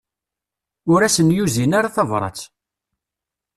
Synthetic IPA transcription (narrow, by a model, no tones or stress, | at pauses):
ʊɾæsənjuzinaɾaθɑvɾˤɑ̰t͡sː